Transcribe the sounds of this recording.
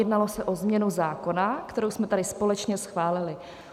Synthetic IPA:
ɛdnalo̞sɛʔo̞zmɲɛnuzaːko̞nakt̪ɛɾowsmɛt̪adɪspo̞lɛt͡ʃɲɛsxvaːlɪlɪ

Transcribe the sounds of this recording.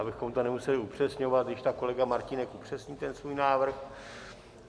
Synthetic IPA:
abɪxo̞mt̪o̞nɛmusɛlɪupr̝̥ɛsɲo̞vat̪̚ɡdɪʃt̪ako̞lɛɡamaɾcɪnɛkʔupr̝̥ɛsɲiːt̪ɛnsvuːjnaːvr̩x

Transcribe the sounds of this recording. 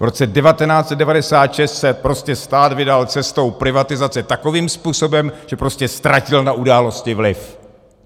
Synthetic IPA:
vɾo̞t͡sɛdɛvat̪ɛnaːt͡sɛd̚ɛvadɛsaːt̪ʃɛst̪sɛpɾoscɛst̪aːt̪vɪdalt͡sɛst̪o̞wpɾɪvat̪ɪzat͡sɛt̪ako̞viːmspuːso̞bɛmʒ̥ɛpɾo̞scɛst̪ɾacɪlnaʔudaːlo̞scɪvlɪf

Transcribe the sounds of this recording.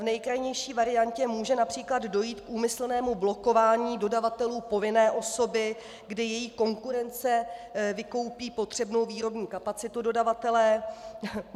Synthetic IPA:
vnɛjkɾajɲɛjʃiːvaɾɪancɛmuːʒɛnapr̝̥iːkladdo̞jiːt̪kʔuːmɪsl̩nɛːmublo̞ko̞vaːɲiːdo̞davat̪ɛluːpo̞vɪnɛːʔo̞so̞bɪ | ɡdɪjɛjiːko̞ŋkuɾɛnt͡sɛvɪko̞wpiːpo̞t̪r̥ɛbno̞wviːɾo̞bɲiːkapat͡sɪt̪udo̞davat̪ɛlɛː

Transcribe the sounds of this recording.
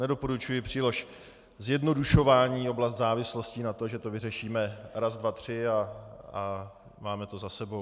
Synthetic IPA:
nɛdo̞poɾut͡ʃujɪpr̝̥iːloʃ | zjɛdno̞duʃo̞vaːɲiːo̞blas̬t̪zaːvɪslo̞scɪnat̪o̞ʒɛt̪ovɪrɛʃiːmɛɾazdvat̪r̝̥ɪaa | maːmɛt̪o̞zasɛbo̞w

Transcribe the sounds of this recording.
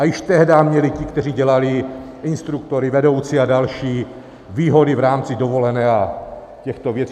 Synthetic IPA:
ajɪʃt̪ɛɦdaːmɲɛlɪcɪkt̪ɛr̝iːɟɛlalɪ | ʔɪnst̪ɾuk̚t̪o̞ɾɪvɛdo̞wt͡sɪadalʃiː | viːɦo̞dɪvɾaːmt͡sɪdo̞vo̞lɛnɛːa | cɛxt̪ovjɛt͡s

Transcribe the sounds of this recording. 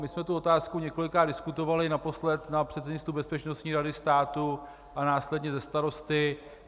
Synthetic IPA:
mɪsmɛt̪uo̞t̪aːskuɲɛko̞lɪkɾaːdɪskut̪o̞valɪnapo̞slɛt̪napr̥ɛt̪sɛɲɪnst̪ɾubɛspɛt͡ʃnost̪ɲiːɾadɪst̪aːt̪u | ʔanaːslɛdɲɛzɛst̪aɾo̞st̪ɪ

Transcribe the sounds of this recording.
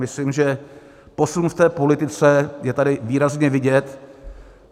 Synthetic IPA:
mɪslimʒɛ | po̞sunft̪ɛːpo̞lɪt̪ɪt͡sɛjɛt̪adɪviːɾazɲɛvɪɟɛt̪

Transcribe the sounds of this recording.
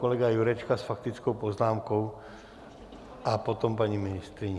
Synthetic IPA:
kɔlɛɡajuɾɛt͡ʃkasfak̚t̪it͡skɔʊpɔznaːmkɔʊ | apɔt̪ɔmpaɲiminist̪ɾiɲ

